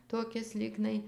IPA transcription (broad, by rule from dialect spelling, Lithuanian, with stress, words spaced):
toːˈkʲɪs ˈlʲiːɡnɐɪ